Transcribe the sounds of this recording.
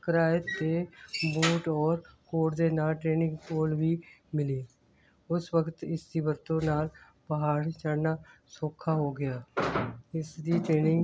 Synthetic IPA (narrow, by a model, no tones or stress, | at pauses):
kəɾaːjəebuːʈɔːɾkoːɽd̪eːnaʈɾeːnɪ̃ŋɡkoːlbʱimɪliː | ʊswəkt̪ɪsd̪ibəɾt̪õnaːl | pəɦaːɽt͡ʃəɽnasoːkʰːaɦoɡɐjaː | ɪsd̪iʈɾeːnɪ̃ŋɡ